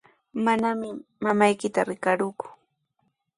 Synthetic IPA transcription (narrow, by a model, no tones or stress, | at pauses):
manamɪmamajkɪt̪aɾɪkaɾʊkʊ̥